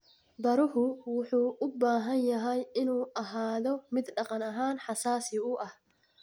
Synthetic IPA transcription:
bɐɾʊhʊwʊħuːʔʊbːaːɦɐnjɐɦɐjɪnuːʔɐɦaːd̪ɔmɪd̪ᶑɐqʼɐnɐɦaːnħɐsaːsɪuːʔɐ

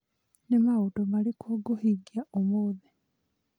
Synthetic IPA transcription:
nemaɣutomalikʰoːɡohiɡjaʔomoːði

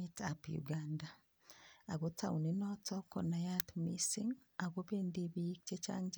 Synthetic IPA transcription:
itapjṵɡanda | aɡotʰauninɔtɔkɔnajatmisiŋ | aɡobendibik̚t͡ʃet͡ʃa̰ɲd͡ʒ

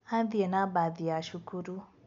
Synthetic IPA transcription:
ãðiɛnabaðijaʃukuɾu

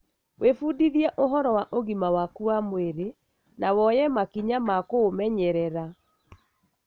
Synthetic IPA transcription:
wʔefuːdiðiɛʔoɦɔɾɔwaʔoɣimawakuamweɾe | nawɔjɛmakiɲamakomɛɲɛɾɛɾa

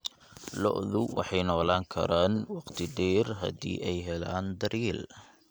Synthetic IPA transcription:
lɔ̰ʔðʊwʔɑ̰ħɑjnɔːlaːŋkʰɐ̰ɾaːnwɑqt̪ʰɪdɛːrɦɐ̰d̪ḭːʔɛjɦɛlaːnd̪ɐɾil

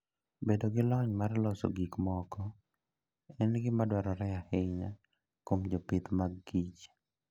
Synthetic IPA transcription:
bedoɡɪlɔɲmarlɔso̰ɡikmɔkɔ | ɛnɡɪmadwaɾɔɾɛahɪɲa | komd͡ʒɔpɪt̪maɡɡit͡ʃ

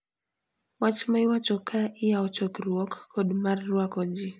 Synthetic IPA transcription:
wat͡ʃmaɪwat͡ʃɔkʰaʔɪjaɔt͡ʃɔkɾwɔkːʰɔdmarːwakɔd͡ʒi

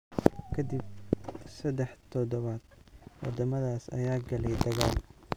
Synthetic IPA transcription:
kʰɐd̪ib̚sɐd̪ɛħt̪ʰɔd̪ɔβaːd̪̥wɑ̰d̪ɐmɐðaːsɐ̰jaːɡɐlɛjd̪ɐɣaːl

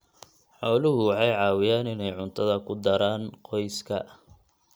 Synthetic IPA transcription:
ħɔːlʊɦʊʕɑjʕɑːwɪjaːnɪnɛjʕʊnt̪ʰɐðɐkʰʊd̪ɐɾaːnqɔjskʰɐ

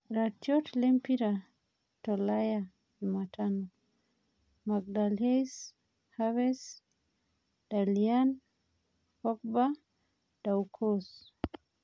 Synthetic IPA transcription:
ɾatjɔtlɛmpiɾa | tɔlaja | ɲumatʰanɔ | maɡ̚dales | hawɛs | d̥alian | kɔk̚ba | d̥aukʰɔs

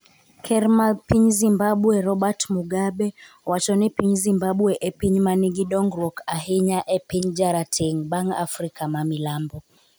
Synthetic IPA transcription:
kʰɛɾmapiɲzimbaɓwɛɾɔɓatmuɡaɓɛ | wat͡ʃɔnipiɲzimbaɓwɛʔɛpiɲmaniɡiɗɔŋɡɾɔkaɦiɲaʔɛpiɲd͡ʒaɾatʰiŋbaŋa̰fɾikamamilambɔ

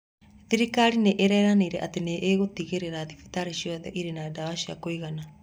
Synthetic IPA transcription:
ðiɾikaɾineʔeɾɛɾaneiɾɛʔateneʔːɣotiɣeɾeɾaðifi̥taɾeʃiɔðɛʔiɾenadawaʃia̰koiɣana

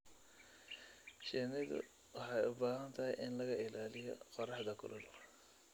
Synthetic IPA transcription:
ʃɛnɪðʊ̰ | wɑħɑjʊbaːɦɐnt̪ʰɐɦɛjʔɪnlɐɣɐɪlaːlɪjɔ̰qɔrɑħd̪ɐkʰʊ̰lʔɐl

